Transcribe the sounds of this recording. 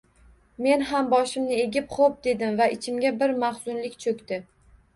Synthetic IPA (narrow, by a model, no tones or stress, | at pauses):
me̞nɦambɒʃɪmnɪe̞ɡʲɪpχop̚d̪e̞d̪ɪmvaɪt͡ʃʰɪmɡʲabɪɾmaχz̥ʊnlɪkʲt͡ʃʰɵkʲt̪ɪ